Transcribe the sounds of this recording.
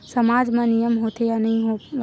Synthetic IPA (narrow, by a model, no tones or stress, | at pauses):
sɐmaːd͡ʒmãnijəmɦoːt̪ejanɐɦĩɦo